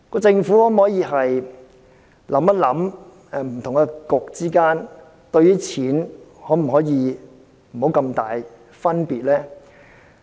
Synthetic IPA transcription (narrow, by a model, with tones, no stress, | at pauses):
kɔː˧t͡sɪ˧ŋfu˨˥hɔː˨˥m˨ɔː˨˥jiː˨˧ɦɐ˨j | lʔɐ˨˥mɐ˥t̚lɐ˨˥m | ɛ˨˧m̩˨˩t̪ʰʊ˨˩ŋkɛ˧kʊ˨k̚t͡siː˥kaː˥n | t̪ɵ˧ɥyː˥t͡sʰiː˨˥nhɔː˨˥m̩˨˩hɔː˨˥jiː˨˧ | m̩˨˩o˨˥wkɐ˧mt̪aː˨j | fɐ˥npiː˨t̚lɛː˥